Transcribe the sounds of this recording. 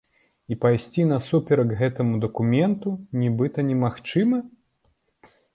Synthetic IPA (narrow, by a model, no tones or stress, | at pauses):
ipajsʲt͡sʲinɐsupʲɛɾɐɡɣɛt̪ɐmud̪ɐkumʲɛnt̪unʲibɨt̪ɐnʲɛmaxt͡ʂɨmɐ